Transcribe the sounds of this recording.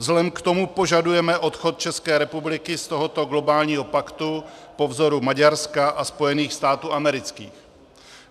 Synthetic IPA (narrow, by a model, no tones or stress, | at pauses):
zlɛmkt̪o̞mupo̞ʒadujɛmɛʔo̞t̪xo̞t̪̚t͡ʃɛskɛːɾɛpublɪkɪst̪o̞ɦo̞t̪o̞ɡlo̞baːlɲiːɦo̞pakt̪upo̞vzo̞ɾumaɟaɾskaʔaspo̞jɛniːxst̪aːt̪uːʔamɛɾɪt͡skḭːx